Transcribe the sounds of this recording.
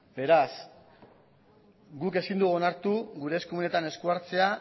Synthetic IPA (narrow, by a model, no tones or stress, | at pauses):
be̞ɾas | ɡuke̞sind̪uɣonaɾt̪uɣuɾe̞skumune̞t̪ane̞skuaɾt͡se̞a